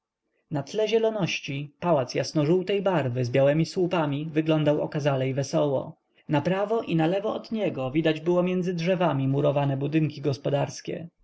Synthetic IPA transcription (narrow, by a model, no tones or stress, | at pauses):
nat̪lɛʑɛlɔnɔɕt͡ɕipawat̪sjasnɔʐuwt̪ɛjbaɾvɘzbʲjawɛmʲiswupamʲivɘɡlɔnd̪awɔ̰kazalɛjvɛsɔwɔ̰ | napɾavɔʔinalɛvɔɔd̪ɲɛɡɔvʲid̪ad͡ʑbɘwɔmʲjɛnd̪zɘdʐɛvamʲimuɾɔvanɛbud̪ɘŋkʲiɡɔspɔd̪aɾskʲɛ̰